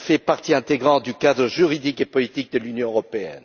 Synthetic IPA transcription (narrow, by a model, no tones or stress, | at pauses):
fɛpaʁt̪iɛ̃t̪eɡʁɑ̃d̪ykad̪ʁəʒyʁid̪ikepɔlit̪ik̚d̪əlynjɔ̃øʁɔpeɛ̰n